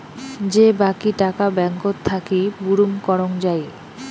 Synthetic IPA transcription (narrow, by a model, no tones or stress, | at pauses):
d͡ʑebakiʈakabɛŋkot̪ʰːakibuɾumkɔɾoŋd͡ʑaj